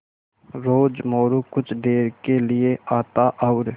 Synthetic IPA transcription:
ɾoːd͡ʒmoːɾukʊt͡ʃʰɖeːɾkelɪeʔaːt̪aʔɔːɾ

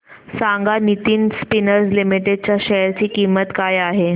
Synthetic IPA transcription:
saŋɡanit̪iːnspinəɾslimiʈeɖ̚t͡ɕjaɕɛɾt͡ɕiːkimət̪kajaɦe

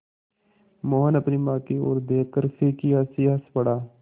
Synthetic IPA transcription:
moːɦənəpnimãːkio̰ːɾd̪eːkːəɾkeːkɪjaːsijaːspəɽaː

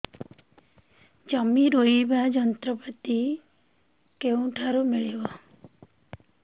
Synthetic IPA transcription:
d͡ʒəmiɾoibʱad͡ʒənt̪ɾəpət̪i | keũʈʰaɾumiɭeʋa

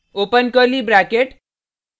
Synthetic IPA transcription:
opənkəɾlibɾakeʈ

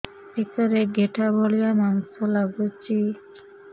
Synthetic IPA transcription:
ekaɾeɡeʈʰaboɭijamansɔlaɡot͡ʃi

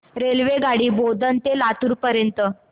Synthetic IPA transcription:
ɾelʋeɡaɽiːbod̪ənt̪elat̪uɾpəɾjənt̪ə

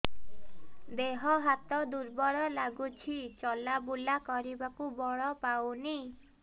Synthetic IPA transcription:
d̪eɦɔɦat̪ɔd̪uɾbɔɽɔlaɡut͡ʃʰit͡ʃɔlabulakɔɾibakubɔɭɔpawni

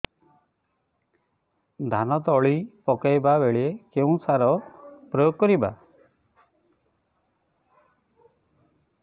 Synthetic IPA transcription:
d̪ʱanɔt̪ɔɭipɔkajbabeɭiekeũsaɾɔpɾɔjoɡkɔɾiba̰

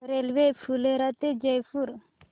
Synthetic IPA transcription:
ɾelʋefʰuleɾat̪ed͡ʒɐjfuɾ

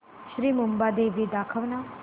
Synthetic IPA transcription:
ʃɾiːmumbad̪eʋid̪akʰəʋna

